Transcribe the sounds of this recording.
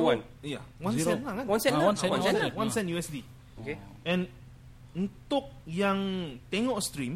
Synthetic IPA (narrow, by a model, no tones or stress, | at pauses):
wan | ija̰wansɛlakannsɛanɛawansɛnjuɛsdi | okeʔɛ̃n | unt̪ʊk̚jaŋt̪eŋɔʔst̪ɾim